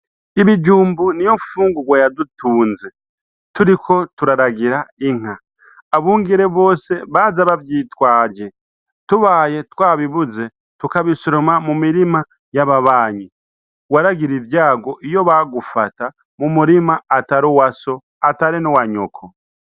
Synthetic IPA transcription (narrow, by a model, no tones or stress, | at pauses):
iβid͡ʒuːmbunijo̞mufuːŋɡuɡwajadutuːnze̞ | tuɾikʰo̞tuɾaɾaɡiɾaiŋ̥aː | βuːŋɡiɾe̞βo̞ːse̞βazaβaβjiːtwaːɾɟe̞ | tuβaːje̞twaːβiβuze̞ | tukaβisoɾo̞mamumiɾima | jaβaβaːɲi | waɾaɡiɾiɾjaːɡo̞ʔijo̞βaɡufata | mumuɾimaːtaɾowaso̞ | ataɾinowaɲo̞̰kʰo